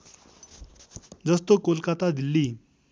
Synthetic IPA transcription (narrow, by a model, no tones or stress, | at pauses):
d͡zʌst̪okolkat̪ad̪ʱilːi